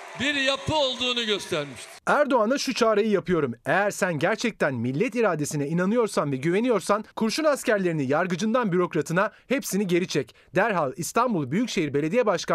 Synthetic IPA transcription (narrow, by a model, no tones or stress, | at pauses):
biɾjapʰɯolˠd̪uːnuɟøst̪ʰæɾmiʃt̪ʰɪ̥æɾd̪o̞anaʃut͡ʃʰaːɾajɯjapʰɯjo̞ɾume̞jæɾsænɟæɾt͡ʃʰɛc̚t̪ʰænmilʲːɛt̪iɾaːd̪e̞sinɛinanɯjo̞ɾsanvɛɟyve̞nijo̞ɾsankʰuɾʃunascæɾlʲe̞ɾinijaɾɡɯd͡ʒɯnd̪anbyɾo̞kɾat̪ʰɯnahepsiniɟe̞ɾit͡ʃʰɛc | d̪̥æɾɦalˠist̪ʰanbulˠbyjycʃe̞jiɾbe̞lʲe̞d̪ijɛbaʃka